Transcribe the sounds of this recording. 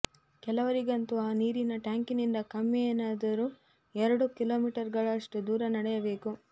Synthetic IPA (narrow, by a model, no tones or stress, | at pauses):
kɛlɐʋɐɾiɡɐnt̪uaːniːɾinɐʈjaːŋkinind̪ɐkɐmːenaːd̪ɐɾu | ɛɾɐɽukilo̞ːmiːʈɐɾɡɐɭɐʂʈud̪uːɾɐnɐɽɛjɐbe̞ːku